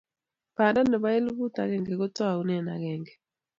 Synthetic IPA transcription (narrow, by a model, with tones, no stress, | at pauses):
pa˨da˦nɛ˨βa˦e˦lu˦βu˦ta˨ɣɛ˨ŋɡɛ˨ɣo˦twa˦˨u˦nɛ˨na˨ɣɛ˨ŋɡɛ˨